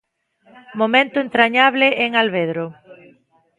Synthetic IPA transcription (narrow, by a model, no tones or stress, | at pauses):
momẽnt̪ʊent̪ɾaɲaβlɪʔeŋalβeðɾʊ